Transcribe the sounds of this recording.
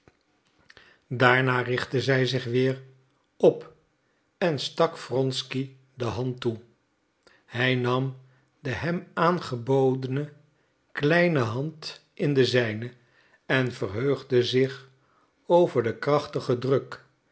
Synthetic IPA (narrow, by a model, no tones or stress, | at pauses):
daːɹnaːrɪχtəzɛjzɪχʋɪːr | ɔp | ɛnstɑkfrɔnski | dəɦɑntu | hɛjnɑm | dəɦɛmaːnχəbowdənə | klɛjnəɦɑntʔɪndəzɛjnə | ɛnvərɦøɥχdəzɪχ | owvəɹdəkrɑχtəχədrɵk